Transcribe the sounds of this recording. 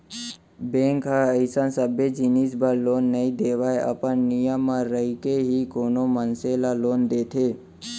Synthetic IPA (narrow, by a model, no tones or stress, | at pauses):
bẽŋkɦəəɪsənsəbjed͡ʒinisbəɾloːnːəĩd̪eːʋaeə̰pənːɪjəmːãɾəɦikeɦikoːnomənselaloːnd̪eːt̪ʰeː